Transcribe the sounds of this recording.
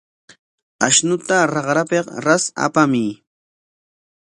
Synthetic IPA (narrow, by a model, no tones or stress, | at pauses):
aʃnʊt̪aɾɑqɾapeqɾasa̰pami